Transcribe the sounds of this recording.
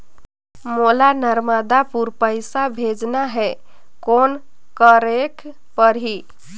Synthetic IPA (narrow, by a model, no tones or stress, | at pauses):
molanəɾməd̪apuɾpəjsabʱed͡ʒnaɦɛ | kon | kəɾek | pəɾɦi